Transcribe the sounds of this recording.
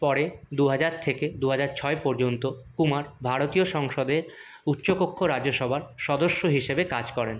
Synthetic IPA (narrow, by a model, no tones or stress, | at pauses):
pɔɾed̪uɦad͡ʑaɾt̪ʰeked̪uɦad͡ʑaɾt͡ɕʰɔepɔɾd͡ʑont̪okumaɾbʱaɾot̪ioʃɔŋʃod̪eɾ | ut̪ːɕopokʰːoɾad͡ʑoʃɔbʱaɾʃɔd̪oʃːoɦiʃebekad͡ʑkɔɾen